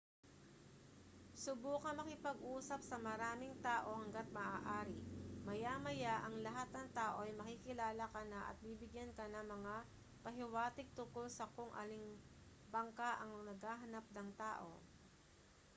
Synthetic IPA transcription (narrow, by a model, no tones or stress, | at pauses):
sʊbuːkɐmɐkɪpɐɡʔuːsɐp̚sɐmɐɾaːmɪŋt̪aːʔo̞hɐŋɡat̪̚mɐʔaːʔaːɾɪmɐjamɐjaʔɐŋlɐɦat̪̚nɐŋt̪aːʔo̞ɐjmɐkikɪlaːlɐkɐnaʔɐ̰t̪̚bibɪɡjankɐnɐŋmɐŋa | pɐɦɪwaːt̪ɪɡ̚t̪ʊŋkolsɐkoŋʔɐ̰lɪŋ | bɐŋkaʔɐŋnɐɡhaːɦɐnap̚nɐŋt̪aːʔo̞̰